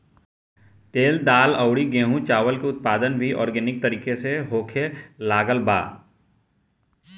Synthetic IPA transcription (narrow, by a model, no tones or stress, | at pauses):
t̪eːld̪aːləʊɽiɡẽːɦũt͡ʃaːʋəlkeʊt̪̚paːd̪ənbʱiʔɔ̰ːɾɡeːnɪk̚t̪ɐɾiːkeseɦoːkʰelaːɡəlba̰ː